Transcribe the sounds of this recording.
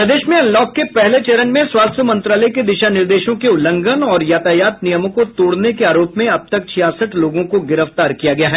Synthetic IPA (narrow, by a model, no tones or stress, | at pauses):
pɾɐd̪eːʃmẽɐlːɔːkːepɛɦlet͡ʃeɾənmẽswaːst̪əmɐ̃nt̪ɾaːləiked̪ɪʃanɪɾd̪eːʃõkeʊlə̃ŋɡənɔːɾjaːt̪ajaːt̪nijəmõkot̪oːɽnekeaːɾoːpmẽɐb̚t̪ɐk̚t͡ʃʰijaːsəʈʰloːɡõkoɡɪɾəft̪aːɾkijaɡɐjaɦɛː